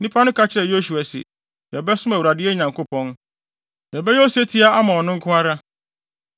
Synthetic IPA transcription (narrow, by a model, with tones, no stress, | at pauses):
nĩ˦pʰa˦nʊ̃˦kʰa˦t͡ɕʰɪ˦ɾɛ˨jo˦su˨a˨sɪ̰˨ | jɛ˨bɛ˦sʊ̃˦mæ˨u˨ɾa˨dɪ˦ɛ˦˨ɲã˨ŋkʰo˦pʰɔ̃˦n | jɛ˨bɛ˦jɛ˦ɔ˦se˦tʰi˦a˦a˦mã˨ɔ˨nʊ̃˦ŋ̩˦kʰʊ̃˦a˦ɾa˦